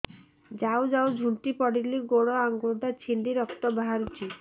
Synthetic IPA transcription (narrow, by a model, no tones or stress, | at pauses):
d͡ʒawd͡ʒawd͡ʒʱuɳʈipɔɽiliɡoɽɔaŋɡud̪at͡ʃʰiɳɖiɾɔkt̪ɔbaɦaɾut͡ʃʰi